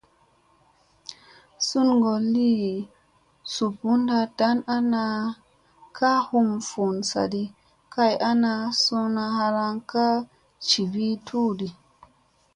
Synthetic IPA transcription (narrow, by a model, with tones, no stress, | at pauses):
su˦nŋɡo˨li˦ | su˨pu˦nda˧ta˦na˦na˧ | kʰa˦hu˦mfu˨nsa̰˨di˧ | kʰa˦ja˦na˧so˧na˧ha˧ɾa˧ŋka˦ | t͡ʃi˨vi˦tʰu˦di˨